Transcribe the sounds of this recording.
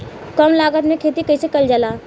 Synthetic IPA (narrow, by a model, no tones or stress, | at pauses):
kəmlaːɡət̪mẽkʰeːt̪ikɐisekɐld͡ʒəlaː